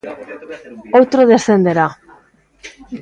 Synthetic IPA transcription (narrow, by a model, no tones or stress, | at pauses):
owt̪ɾoðe̞sθe̞nd̪eɾa